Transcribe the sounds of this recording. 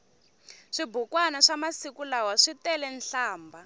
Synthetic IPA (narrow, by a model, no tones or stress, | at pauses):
ʂibukwanaʂamasikulawaʂitɛlɛnɬaːmba